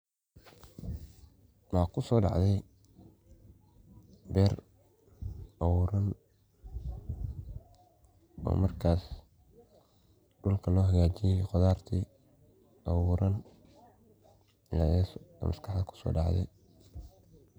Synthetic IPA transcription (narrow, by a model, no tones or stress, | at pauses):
mɑkʰʊsɔːɖɑ̰ʕðɛj | bɛːr | ɐwuːɾɐn | ɔ̰ːmɐrkʰaːs | ɖʊlkʰɐlɔːɦɐɣaːt͡ʃɪjɛjqɔðaːrt̪ʰiː | ɑwuːɾɐn | ɪlaɛsɔ̰mɐskʰɑħðkʰʊ̥sɔ̰ːɖɑʕðɛ̰j